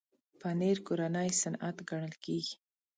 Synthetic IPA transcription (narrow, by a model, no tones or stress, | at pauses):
paneɾkoɾanəjsanat̪ɡaɳ̃əlkeɡi̥